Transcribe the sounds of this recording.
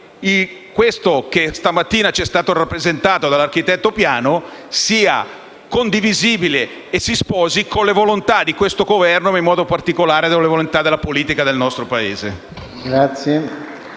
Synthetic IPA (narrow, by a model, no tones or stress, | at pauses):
i | kwest̪ok̟est̪amat̪ːiːnat͡ʃɛst̪aːt̪orapːɾezent̪aːt̪od̪alːark̟it̪ɛt̪ːopjaːnosiːa̰ | kond̪iviziːbile | esispɔːzikonlevolont̪ad̪ikwest̪oɡovɛrnoimːɔːd̪opart̪ikolaːɾed̪olevolont̪ad̪elːapoliːt̪ikad̪elnɔst̪ɾopaḛːzḛ | ɡɾat̪sje